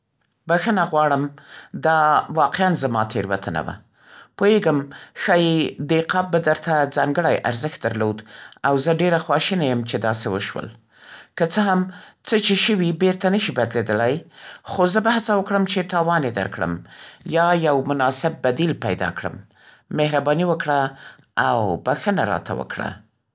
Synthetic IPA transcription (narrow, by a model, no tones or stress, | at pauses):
baxənaɣwɑɽəmd̪ɑwɑqeanzamɑt̪ʰeɾwa̰t̪ʰəna̰wa̰ | poeɡəmxɑjed̪eqɑb̚bad̪əɾt̪ad͡zɑŋɡəɽajʔa̰ɾzəxt̪̚d̪aɾlod̪awzəɖeɾaxwɑʃinajəmt͡ʃed̪ɑsewə̰ʃwə̰l | kət͡səɦamt͡sət͡ʃeʃəwibeɾt̪anəʃibad̪led̪əlajxozəbahat͡sawəkɽəmt͡ʃet̪ɑwɑned̪a̰ɾkɽə̰mjɑjawmʊnɑsɪb̚ːad̪ilpajd̪ɑ̰kɽə̰mː | ehɾabɑniwəkɽa | awbaxənaɾɑ̰t̪a̰wə̰kɽa̰